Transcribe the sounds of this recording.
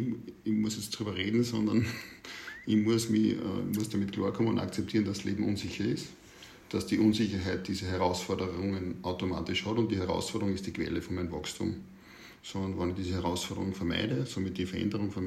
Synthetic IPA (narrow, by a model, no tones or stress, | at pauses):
ɪçmʊsjɛt͡std̥ʁyːbɐʁeːdn̩sɔndɐn | ɪçmʊəsmiçə̰mʊəsd̥amitkʰl̥a̰ːɐkʰɔmənʊnda̰kt͡sɛp̚tʰiːɐnd̥asleːbm̩ʔunsɪçɐɪst | d̥asd̥iʔunsɪçəɦæɪt̚d̥iːzəɦɛʁaʊsfɔɐdəʁəʁʊŋənʔaʊtoma̰ːtɪʃhɔtʊ̃nt̚d̥ihɛɐʁa̰ʊsfɔɐdəʁʊŋɪstd̥iːkʰʋ̥ɛ̰ləfɔnmænnvɑkstʰṵːm | sonvɑnɪçd̥iːzəhɛɐʁaʊsfɔɐdə̰ʁʊŋfɛɐmæ̰ɪdəsomitdifɛɐʔɛ̰ndəʁʊŋfɛɐm